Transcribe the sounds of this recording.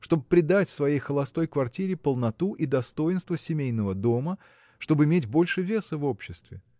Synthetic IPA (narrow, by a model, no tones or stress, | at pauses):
ʂt̪o̞bɨpɾʲɪd̪atʲfsvɐjejxəlˠɐst̪o̞jkvɐrtʲiɾʲɪpəlˠnɐt̪uʔid̪ɐst̪o̞jɪnst̪vəsʲɪmʲejnəvəd̪o̞mə | ʂt̪o̞bɨɪmʲetʲbo̞lʲʂɨvʲe̞səvo̞pɕːɪst̪vʲɪ